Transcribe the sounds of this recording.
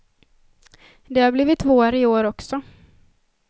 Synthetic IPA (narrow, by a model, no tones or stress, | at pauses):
d̪ɛhaɾbliːvɪt̪ːvoːɾɪoːɾɔksɔ